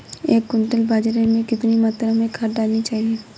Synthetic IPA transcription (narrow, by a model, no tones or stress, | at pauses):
ekːʊnt̪əlbad͡ʒaɾeɾmekɪt̪nimat̪ːɾamekʰadaːlnit͡ʃaːɦie